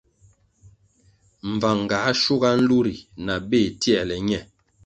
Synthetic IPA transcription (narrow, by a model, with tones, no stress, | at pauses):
m̩˨va˨ŋ˨ɡa˨˦ʃu˦ɡa˦n̩˦lu˦ɾi˨na˨be˦˨tjɛ˦˨lɛ˨ɲɛ˦˨